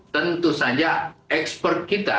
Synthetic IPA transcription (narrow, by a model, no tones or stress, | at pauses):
t̪ənt̪usad͡ʒaɛkspərt̪̚kit̪a̰